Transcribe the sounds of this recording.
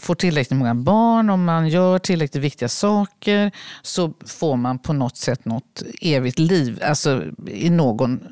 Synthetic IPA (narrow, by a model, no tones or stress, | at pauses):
foːʈʰɪlɾɛklɪt̪mɔŋːabɑːɳɔmːanjœːʈʰɪlːɾɛklɪt̪vɪk̚t̪ɪɡasɑːkəɾsɔfoːɾmanpʰɔnɔt̪ːsɛt̪ːnɔt̪eːvɪt̪liːva̰lsɔɪ̰noːɡɔn